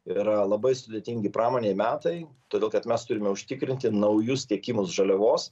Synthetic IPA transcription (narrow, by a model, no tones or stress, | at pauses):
ɪɾɐlˠɐbɐɪsʊd̪ʲeɛt̪ʲɪŋʲɡʲɪpɾʔɑːmoːnʲeːɪmʲæːt̪ɐɪ | t̪oːd̪ʲeːlˠkɐt̪mʲɛst̪ʊɾʲɪmʲɛʊʃʲt̪ʲɪkɾʲɪnʲt̪ʲɪnɐʊjʊst̪ʲiɛkʲimʊsʒɐlʲɛʋoːs